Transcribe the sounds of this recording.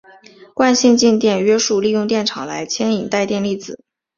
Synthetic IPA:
kwa˥˧nɕi˥˧nt͡ɕi˥˧nt̪jɛ˥˩nɥɛ˥ʂu˥˧li˥˧jʊ˥˧ŋt̪jɛ˥˩nʈ͡ʂʰɑ˨˩ŋla˧˥ɪt͡ɕʰjɛ˥ni˨˩ŋt̪a˥˧ɪt̪jɛ˥˧nli˥˩t͡sɹ̩˨˩˦

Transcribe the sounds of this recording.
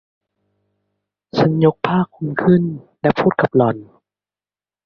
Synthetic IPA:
t͡ɕʰa˧˥njo˦˥k̚pʰaː˥˩kʰːu˧nkʰɯ˥˩˨nlɛ˦˥pʰuː˥˩t̪̚ka˨˩p̚lɔ˨˩n

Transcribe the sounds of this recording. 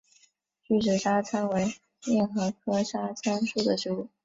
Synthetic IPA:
t͡ɕy˥˩ʂɻ̩˨˩ʂa˥t͡sʰa˥nwe˧˥ɪ | ljɛ˥˩nxɤ˧˥kʰɤ˥ʂa˥t͡sʰa˥nʂu˥˩d̪ə˩ʂu˧˥u˥˩

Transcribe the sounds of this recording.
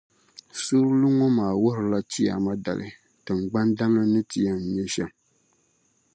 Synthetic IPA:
su˦ɾlu˦ŋɔ˦maː˨wʊ˦ɾɨ˨la˦t͡ʃi˦a̰˨ma˦da̰˨lʔɨ̰˨ | tɨ˨ŋ˨ɡ͡ba˦nda˦nlɨ˦nɨ˦ti˨˦a˦m̩˨ɲɛ˦ʃɛ˦m

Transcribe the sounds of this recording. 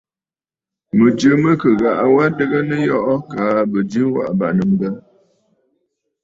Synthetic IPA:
mə˨d͡ʒə˨˦mə˦kə˨ɣa˨ʔa˨wa˦də˦ɣə˦nə˦jɔ˦ʔɔ˦ka˨˦bə˨d͡ʒɨ˦wa̰˨ʔba˨ʔnə˨m˨bə˦

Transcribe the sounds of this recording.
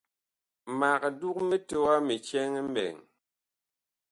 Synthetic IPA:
ma˨kdu˦k̚me˦te˦wa˦mi˨t͡ʃɛ˦ŋ˦m˦bɛ̰˨ŋ

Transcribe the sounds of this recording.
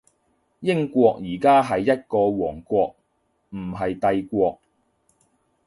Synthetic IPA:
jɪ˥ŋkʷwɔː˧k̚jiː˨˩kaː˥ɦɐ˨jːɐ˥t̚kɔː˧wɔː˨˩ŋkʷɔː˧k̚ | m̩˨˩ɦɐ˨jt̪ɐ˧jkʷɔː˧k̚

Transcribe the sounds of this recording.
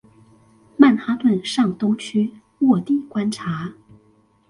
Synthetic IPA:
ma˥˩nxa˧˥t̪wə˥˨˩nʂɑ˥˩ŋt̪ʊ˥ŋt͡ɕʰy˥ | wɔ˥˩t̪i˥˩kwa˥nʈ͡ʂʰa˧˥

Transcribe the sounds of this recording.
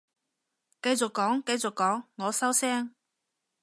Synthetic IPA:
kɐ˧jt͡sʊ˨kːɔː˨˥ŋkɐ˧jt͡sʊ˨kːɔː˨˥ŋːɔː˨˧sɐ˥wsɛː˥ŋ

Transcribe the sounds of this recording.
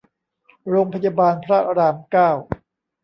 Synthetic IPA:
ɾoː˧ŋpʰa˧jaː˧baː˧npʰɾa˦˥ɾaː˧mkaː˥˩w

